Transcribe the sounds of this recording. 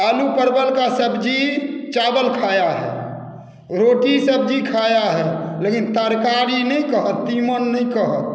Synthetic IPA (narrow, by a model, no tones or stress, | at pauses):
alupəɾbəlkasəbd͡ʒit͡ʃabəlkʰajaɦɛ̰ | ɾoʈisəb̚d͡ʒikʰajaɦɛlekint̪əɾkaɾinəj̃kəɦət̪ːimənːəĩkəɦət̪̚